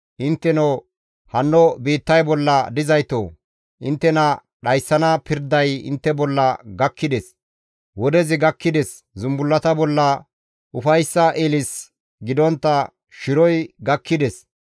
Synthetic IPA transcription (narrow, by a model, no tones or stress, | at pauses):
ʔɪnt̪ːɛno | hɐnːɔbiːt̪ːɐjbɔlːɐd̪ɪzɐjt̪o̰ː | ʔɪnt̪ːɛnɐ | ɗɐjsːɐnɐpɪɾd̪ɐjɪ̰nt̪ːɛbɔlːɐɡɐkːɪd̪ɛs | wɔd̪ɛzɪɡɐkːɪd̪ɛs | zʊmbʊlːɐt̪ɐbɔlːɐ | ʔʊfɐjsːɐʔeːlɪs | ɡɪd̪ɔnt̪ːɐ | ʃɪɾɔjɡɐkːɪd̪ɛs